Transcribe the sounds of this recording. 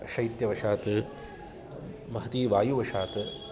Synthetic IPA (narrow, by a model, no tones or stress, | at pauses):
ʃɐjt̪jɐʋɐʂaːt̪ɨ | mɐɦɐt̪iːʋaːjuʋɐʂaːt̪ɨ